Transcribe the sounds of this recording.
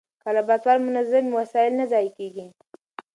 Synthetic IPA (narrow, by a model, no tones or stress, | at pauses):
kalabat̪waɾmʊnazamwasɑjɪlnazɑjkeɡi